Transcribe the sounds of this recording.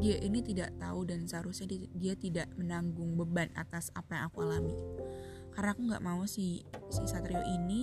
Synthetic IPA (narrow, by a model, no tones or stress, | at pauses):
diaʔinit̪idaʔt̪a̰udansəɦaɾusɲadiat̪idaʔmənaŋɡʊŋbəbana̰t̪asapajaŋakualami | karnaːkuŋɡa̰ʔmausisisat̪ɾioʔini